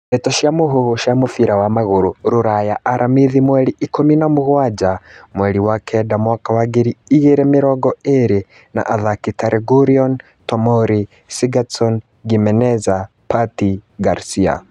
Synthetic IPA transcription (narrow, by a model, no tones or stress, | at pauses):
ɛtaʃiamuɦuuʃiamufiɾawamaɣuɾuɾuɾajaʔːɾʔamiðimwɛliikuminamuɣwad͡ʒamwɛliwakʰɛdamwakawaɡiɾiːɣeɾɛmiɾɔɡɔeɾe | na̰ʔaðakitaɾʔɛɡuɾiɔn | tɔmɔɾi | siɡasɔn | ɡimɛnɛza | patiɡaɾsia̰